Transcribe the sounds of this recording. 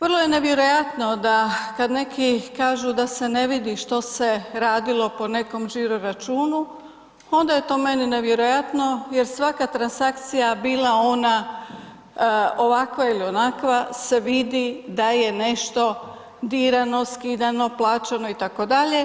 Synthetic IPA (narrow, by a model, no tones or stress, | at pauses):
ʋərlˠo̞je̞ne̞ʋje̞ɾo̞jat̪no̞d̪akad̪ne̞kʰikaːʒud̪ase̞ne̞ʋid̪iʃt̪o̞se̞ɾaːd̪ilˠo̞po̞ne̞ko̞mʒiɾoɾat͡ʃuːnu | o̞nd̪aje̞t̪o̞ːme̞nine̞ʋje̞ɾojat̪no̞je̞ɾsʋakat̪ɾansakt̪sijabiːlˠao̞na | oʋakʋailio̞nakʋase̞ʋid̪id̪aje̞ne̞ʃt̪o̞ | d̪iːɾano̞skiːd̪ano̞plˠaːt͡ʃano̞it̪ako̞d̪aʎe̞